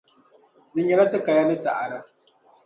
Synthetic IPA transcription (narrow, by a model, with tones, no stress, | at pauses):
dɨ˨ɲɛ˨la˦tɨ˦ka˨ja˦nɨ˦ta˨ʔa˨ɾɨ˦